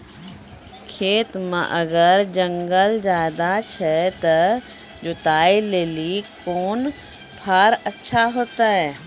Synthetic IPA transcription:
kʰeːt̪mə̰̃ʔəɡəɾd͡ʒə̃ŋɡəld͡ʒaːd̪at͡ʃʰɛt̪ə | d͡ʒʊt̪aːileːlikoːn | pʰaːɾətːʃʰaɦoːt̪aɦɛː

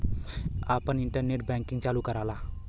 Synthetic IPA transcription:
apəniɳʈərneʈ̚bɛŋkɪŋt͡ʃalukaɾalah

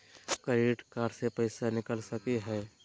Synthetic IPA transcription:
kəɾeːʈkaːɾsepɐɪsanɪkəlsɐkiɦɛː

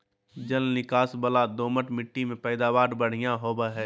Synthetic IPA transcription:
d͡ʒəlnɪkaːsbəlad̪oːməʈmɪʈːimẽpɛːd̪aːʋaːɾbəɽ̤ɪjãɦoːbəɦɛː

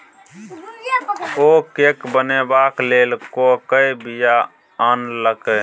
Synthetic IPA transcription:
oːkeːkbənebaːkleːlkokəibija | aːnləke

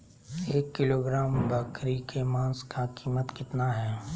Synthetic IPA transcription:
eːkːɪloːɡɾaːmbaːkɾikʰemãːnskakiːmət̪kɪt̪naɦɛː

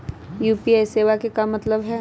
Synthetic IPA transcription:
juːpiaːjseːʋakekamɐt̪ləbɦɛː

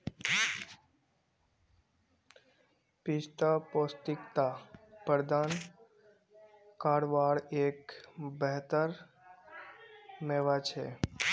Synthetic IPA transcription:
pɪst̪apost̪ɪkt̪apəɾd̪aːn | kaːɽʋaːɽeːkbəɦt̪əɾ | meːʋat͡ʃʰḛ

